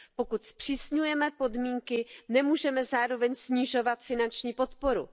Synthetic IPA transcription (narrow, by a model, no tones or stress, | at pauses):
po̞kut̪spr̝̥iːsɲujɛmɛpo̞dmiːŋkɪnɛmuːʒɛmɛzaːɾo̞vɛɲsɲiʒo̞vat̪fɪnant͡ʃɲiːpo̞t̪po̞ɾṵ